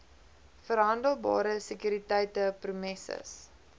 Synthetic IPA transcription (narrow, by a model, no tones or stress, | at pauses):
fərɦɐndəlˠbɑ̰ːɾəsəkyɾitɛjtəprumɛsə̰s